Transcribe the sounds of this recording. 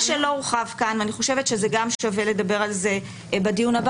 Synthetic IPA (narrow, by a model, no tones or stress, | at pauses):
ʃelo̞ʁuχavkanvaniχo̞ʃe̞vetʃezeɡamʃave̞le̞d̪abe̞ʁalze̞ | badijunab